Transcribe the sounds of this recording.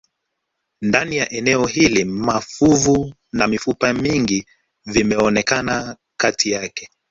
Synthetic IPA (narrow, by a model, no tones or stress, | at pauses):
ndanijaʔɛnɛɔɦilimafuvu | namifupamiŋɡi | vimɛɔnɛkana | katʰijakɛ̥